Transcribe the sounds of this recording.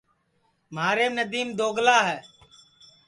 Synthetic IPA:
maːɾeːnəd̪iːmd̪oːɡlaːɦɛː

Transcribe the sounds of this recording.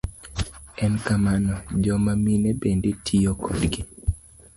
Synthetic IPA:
ɛnkamanɔd͡ʒɔmaminebendetʰijokʰodɡi

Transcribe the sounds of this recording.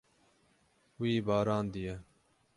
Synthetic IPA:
ʊiːbaːɾãːnd̪ɪjeː

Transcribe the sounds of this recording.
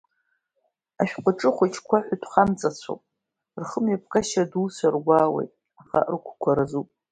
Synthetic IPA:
aʃᶣqʷʊʈ͡ʂʼɨχʷʊt͡ʃʰʼkʷʰaħʷᶣʏtʷʰχamt͡sʼat͡sʷʰo̰pʼ | rχəmjap̚ʰkʼaʃaduːsarɡʷaːwḛjtʼ | aχa̰rkʷʰkʷʰaɾazupʼ

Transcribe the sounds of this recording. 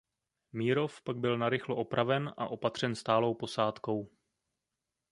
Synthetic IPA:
miːɾo̞fpaɡ̚bɪlnaɾɪxloʔo̞pɾʔavɛnʔa̰ʔo̞pat̪r̝̥ɛnst̪aːlo̞wpo̞saːt̪ko̞w

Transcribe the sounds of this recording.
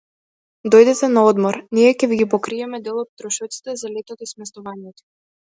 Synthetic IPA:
d̪ɔjd̪ɛt̪ɛnaɔd̪mɔɾniɛkʲɛviɡʲipɔkɾiɛmɛd̪ɛlˠɔt̪̚t̪ːɾɔʃɔt̪si̥t̪ɛzalɛt̪ɔt̪ismɛst̪ɔvaɲɛt̪ɔ̥

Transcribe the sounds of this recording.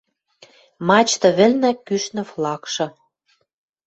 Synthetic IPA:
mɑt͡ɕt̪ɤ̆βɘ̆lnækyʃnə̆flɑkʃɤ̆

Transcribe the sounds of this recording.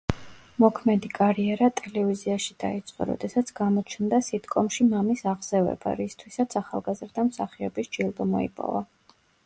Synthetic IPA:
mɔkʰmɛd̪ikʼaɾiɛɾat̪ʼɛlɛviziaʃid̪ait̪sʼqʼɔ̰ɾɔ̰d̪ɛsat̪sʰɡamɔt͡ʃʰnd̪asit̪kʼɔmʃimamisaʁz̥ɛvɛ̰ba̰ɾist̪ʰwisat̪sʰaχa̰lˠɡazɾd̪amsaχiɔbisd͡ʒilˠb̪ɔmɔḭpʼɔ̰va

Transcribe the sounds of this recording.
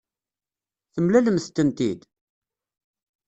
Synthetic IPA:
θəmlæləmθt̪ːənt̪ḭd̪

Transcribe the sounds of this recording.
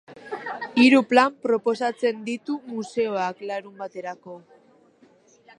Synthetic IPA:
iɾuplampɾo̞po̞sat͡se̞nd̪it̪umuse̞oaklaɾumbat̪e̞ɾako̞

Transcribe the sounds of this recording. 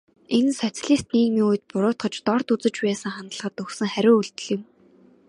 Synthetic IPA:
ensɔt͡saɮiːst̪niːkmiːŋujt̪̚pʊɾʊːt̪χə̆t͡ɕt̪ɔrt̪ut͡sə̆t͡ɕpæːsə̆ŋχant̪ə̆ɮχə̆t̪ɵxsɘ̆ŋχæɾʲʊːuɮt̪ɵ̆ɮɪ̆w

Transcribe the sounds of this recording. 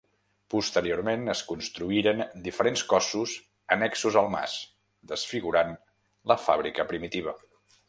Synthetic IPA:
pust̪əɾioɾmenəskunst̪ɾuiɾənd̪ifəɾenskɔsuz | ənɛksuzəlˠma̰s | d̪əsfiɣuɾan | ləfa̰βɾikəpɾimit̪iβ̞ə

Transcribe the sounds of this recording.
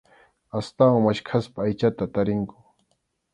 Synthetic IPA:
ast̪awaŋmaʃkʰaspaːjt͡ʃat̪at̪aɾɪŋkʊ̥

